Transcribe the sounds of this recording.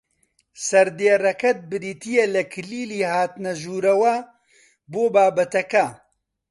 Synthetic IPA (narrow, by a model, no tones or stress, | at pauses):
sɐɾd̪eːrɐkɐt̪̚bɨɾiːt̪ijelɐkʰɨliːliːhaːt̪nɐʒuːɾɐwɐ | boːbaːbɐt̪ɐkɐ